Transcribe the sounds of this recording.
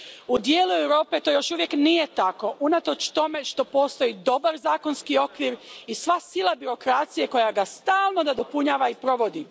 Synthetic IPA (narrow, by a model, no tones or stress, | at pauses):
ud̪jeːluewɾo̞ːpe̞t̪o̞jo̞ʃuʋje̞knije̞t̪ako̞ʔunat̪o̞t͡ʃt̪o̞me̞ʃt̪o̞po̞ːst̪o̞jid̪o̞baɾzaːko̞nskio̞kʋiɾisʋasilˠabiɾo̞kɾat̪sije̞ko̞jaɡast̪aːlˠno̞d̪ad̪o̞puɲaːʋaipɾo̞ʋo̞d̪i